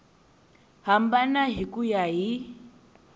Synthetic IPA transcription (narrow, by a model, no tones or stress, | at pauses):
ɦambanaɦikujaɦi